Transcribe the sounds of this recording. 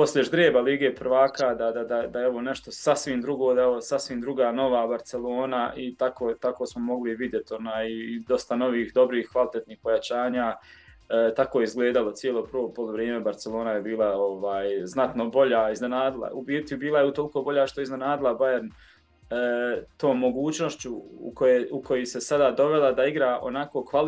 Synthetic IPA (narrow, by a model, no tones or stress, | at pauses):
po̞slʲeʒd̪ɾeːbaliːɡeːprʋaːkad̪ad̪ad̪ad̪ajeeʋo̞ne̞ʃt̪o̞sasʋimd̪ɾuɡoːd̪aeʋosasʋimd̪ɾuɡaːno̞ʋaːbaɾt̪se̞lˠo̞ːnaʔit̪akot̪akoːsmomo̞ɡliʋid̪je̞t̪o̞naːjid̪o̞st̪ano̞ʋiːhd̪o̞bɾiːhkʋalit̪et̪niːhpo̞jat͡ɕaːɲaː | t̪akojeizɡle̞ːd̪alo̞t̪sjielˠo̞pɾʋoːpoluʋɾjeːme̞baɾt̪selˠo̞ːnajebiːlˠaoʋaːjznat̪no̞bo̞ʎaːizne̞naːd̪ilˠa̰ubiːɾt̪jubiːlˠajeut̪oliko̞ːbo̞ʎaːʃt̪o̞izne̞naːd̪ilˠabajeɾn | əːt̪o̞ːmːo̞ɡuːt͡ɕno̞ʃt͡ɕuṵkojeːukʰo̞jese̞sad̪ad̪o̞ʋe̞lˠad̪aiɡɾaːʔo̰nako̞ːkʋal